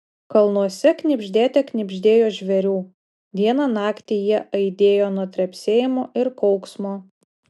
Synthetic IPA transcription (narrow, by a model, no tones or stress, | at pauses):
kɐlˠnuɔsʲɛknʲɪbʲʒʲd̪ʲæːt̪ʲɛknʲɪbʲʒʲd̪ʲeːjoːʒʲʋʲɛɾʲuː | ʋʲiɛnɑnɑːkt̪ʲijiɛʔɐɪd̪ʲeːjoːnʊɔt̪ʲɾʲɛpʲsʲeːjɪmoːʔɪɾkɔʊksmoː